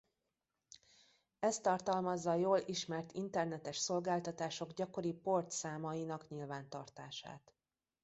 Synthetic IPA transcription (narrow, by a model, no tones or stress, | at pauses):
ɛst̪ːɒrt̪ɒlmɒzːɒjoːliʃmɛrt̪ḭnt̪ɛrnɛt̪ɛʃso̞lɡaːlt̪ɒt̪aːʃo̞ɡɟɒko̞ɾipo̞rt̪saːmɒinɒkɲilvaːnt̪ɒrt̪aːʃa̰ːt̪